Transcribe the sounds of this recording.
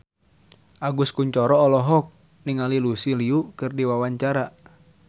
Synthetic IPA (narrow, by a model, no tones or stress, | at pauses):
ʔaɡuskuɲt͡ʃɔɾɔːlɔɦɔk̚ | niŋalilusiliukɨrdiwawaɲt͡ʃaɾa